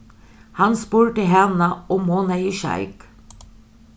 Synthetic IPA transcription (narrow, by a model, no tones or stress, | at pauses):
hɑnspuːɹəʈ̪ɪɦɛnɑɔmːoːnaiʃɑ̰ɪk